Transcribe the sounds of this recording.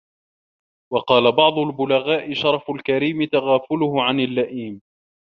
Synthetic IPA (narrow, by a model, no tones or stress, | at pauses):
wɑqɑːlabɑʕd̪ˤʊlbʊlaɣaːʔɪʃɑɾˤfʊlkaɾiːmɪt̪aɣaːfʊlʊhʊʕanalːaʔiːm